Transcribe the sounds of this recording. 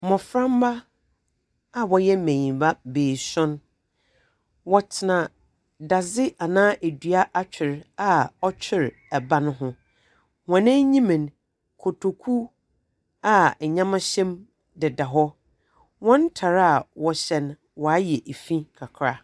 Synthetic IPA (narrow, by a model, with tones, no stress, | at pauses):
mɔ̃˨fɾã˦m˦ba˦ | a˨wɔ˨jɛ˦mẽ˨ɲĩ˨ba˦beː˨sɔ̃˦n | wɔ˨tʰɪ˨nã˨ | da˨zɪ˦ʔa˨nãː˦ʔe˨dɥa˦ʔa˦t͡ɕᶣʰɪ˨ɾa˨ɔ˦t͡ɕʰᶣɪ˨ɾ | æ˨bã˦nʊ̃˦ɦʊ̃˦ | wɔ̃˨nɛ̃˦ɲĩ˦mɪ̃˨n˨ | kʰo˨tʰo˨kʰu˦ | a˨ɲã˦mã˦ɕɛ̃˦m | dɪ˨da˨ɦɔ˦ | wɔ̃˦n˦tʰa˨ɾa˨wɔ˨ɕɛ̃˨n | wɔ˨a˦jɛ˨ʔe˨fĩ˦kʰa˨kʰɾa˦